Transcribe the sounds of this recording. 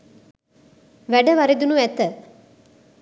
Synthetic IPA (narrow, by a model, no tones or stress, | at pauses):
ʋæɖɐʋɐɾed̪unuʋɛt̪ə